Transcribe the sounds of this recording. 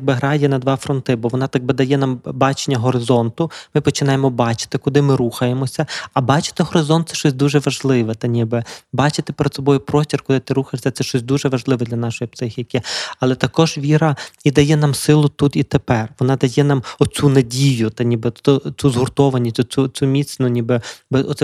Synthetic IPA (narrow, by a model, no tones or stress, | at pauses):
ɡ̚bɪɦɾɑjɛnɐd̪ʋɑfɾɔnt̪ɪbɔʋɔnɑt̪aɡ̚bɪd̪ɐjɛnambɑt͡ʃenʲːɐɦɔɾɪzɔnt̪ʊmɪpɔt͡ʃɪnɑjemɔbɑt͡ʃɪ̥t̪ɪkʊd̪ɪmɪɾuxɐjemɔsʲɐɐbɑt͡ʃɪ̥t̪ɪɦɔɾɪzɔnt̪sɛ̥ʃt͡ʃɔsʲd̪uʒɛʋɐʒlˠɪʋɛt̪ɐnʲibɪbɑt͡ʃɪt̪ɪ̥peɾɛd̪sɔbɔjʊpɾɔsʲtʲirkʊd̪ɪt̪ɪɾuxeʂsʲɐt̪ɛʃt͡ʃɔsʲd̪uʒɛʋɐʒlˠɪʋɛd̪lʲɐnɑʃɔjipsɪxʲikʲɪɐlˠɛt̪ɐkɔʒʋʲiɾɐid̪ɐjɛnɑmsɪlˠʊt̪ut̪it̪epɛrʋɔnɑd̪ɐjɛnɑmɔt͡sʲunɐdʲijʊt̪ɐnʲibɪɔt͡sʲuzɦʊrt̪ɔʋɐnʲit͡sʲut͡sʲumʲit̪t͡s̪ʲnʊnʲibɪbɪɔt̪sɛ